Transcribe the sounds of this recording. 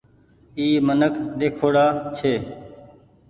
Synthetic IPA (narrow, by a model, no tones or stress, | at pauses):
iːmənəkɗ̪eːkʰoːɽaːt͡ʃʰeː